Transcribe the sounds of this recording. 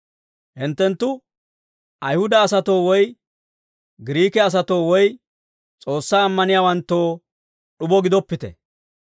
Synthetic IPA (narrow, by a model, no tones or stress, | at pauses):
hɪnt̪ːɛnt̪ːʊ | ʔɐjhʊd̪ɐːsɐt̪o̞ːwɔj | ɡɪɾiːkɛɐs̬ɐt̪o̞ːwɔj | t͡sʼo̞ːsːaːmːɐnɪjaːwɐnt̪ːo̞ː | ɗʊbɔɡɪd̪ɔpːɪt̪ɛ̰